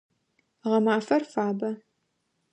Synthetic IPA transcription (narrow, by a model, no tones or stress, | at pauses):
ʁɐmaːfɐrfaːbɐ